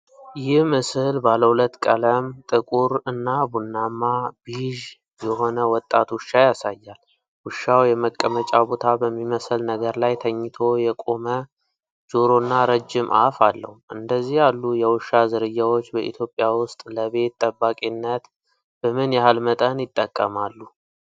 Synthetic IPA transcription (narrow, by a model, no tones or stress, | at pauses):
jɪhmɨslbaləhulət̪ːkʼələmt̪ʼɨkʼuɾɨnːabunːamːabiʒ | jɛɦo̞nəwɔt̪ʼːat̪wʊʃːajasajːal | wʊʃːawjɛməkʼːəmət͡ʃʼabo̞t̪ʰabəmːiməsəlnəɡəɾlajt̪ʰəɲːɪt̪ʰo̞jɛkʼo̞mə | d͡ʒo̞ɾo̞nːaɾəd͡ʒːɪmʔa̰falːə̰huʔɨ̰nd̪əzːihjalːujɛwʊʃːazɨɾɨjːawo̞t͡ʃːbəʔḭt̪ʰjo̞pʼːjawʊst̪ʼləβe̞t̪ʼːəbːakʼinːət̪ | b̥əmɨnjɛhalmət̪ʼənjɪt̪ʼːəkʼːəmalːu